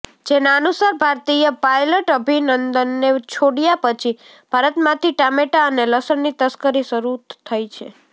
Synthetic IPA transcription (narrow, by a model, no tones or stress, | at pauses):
d͡ʒenaənusaɾbʱaɾt̪ijəpajləʈəbʱinənd̪ənːet͡ʃʰoɽijapət͡ʃʰi | b̥ʱaɾət̪mãt̪ʰiʈameʈaəneləsəɳnit̪əskəɾisəɾut̪t̪ʰːəjt͡ʃʰḛ